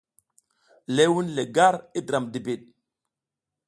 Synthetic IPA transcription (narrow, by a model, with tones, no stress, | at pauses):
le˨˦wu˦nle˨ɡa˦ɾi˦dɾa˨mdi˨bi˨ɗ̚